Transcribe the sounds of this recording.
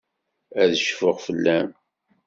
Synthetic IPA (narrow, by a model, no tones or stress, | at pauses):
æðəʃfəʁfəlːæm